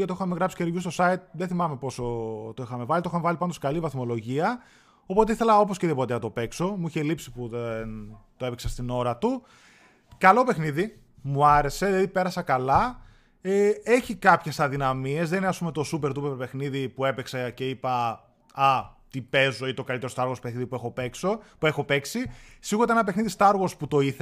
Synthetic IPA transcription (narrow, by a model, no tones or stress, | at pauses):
ʝɐt̪ioxɐmeɣɾɐpsi̥ce̞ɾʝust̪o̞sɐit̪̚ðeθimɐme̞po̞sot̪oixɐme̞vɐlit̪ooxɐmevɐlipɐnd̪oskɐlivɐθmo̞lo̞ʝiɐ | o̞po̞t̪e̞iθe̞lɐo̞posceðipo̞t̪eɐt̪o̞pe̞kso̞muiçe̞lipsipuðent̪oepeksɐst̪ino̞ɾɐt̪u | kɐlo̞pe̞xniði | muɐɾe̞se̞ðilɐðipe̞ɾɐsɐkɐlɐ | ee̞çikɐpçe̞sɐðinɐmie̞zðenineɐspumet̪o̞supeɾt̪upeɾpexniðipue̞peksɐce̞ipɐ | ɐt̪ipe̞zo̞it̪o̞kɐlit̪eɾst̪ɐɾɣospexniðipuexopeksopuexo̞peksisiɣuɾot̪eenɐpe̞xniðist̪ɐɾɣosput̪o̞iθ